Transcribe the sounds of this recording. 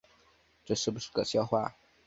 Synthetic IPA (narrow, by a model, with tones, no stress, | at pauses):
ʈ͡ʂɤ˥˧ʂɻ̩˥˩bu˩ʂɻ̩˥˩kɤ̰˨˩ɕjɑ˥˧ʊxwa˥˩